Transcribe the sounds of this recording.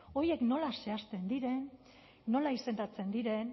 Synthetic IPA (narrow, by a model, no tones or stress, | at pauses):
o̞je̞kno̞lase̞ast̪e̞nd̪iɾe̞nː | o̞laise̞nd̪at͡se̞nd̪iɾe̞n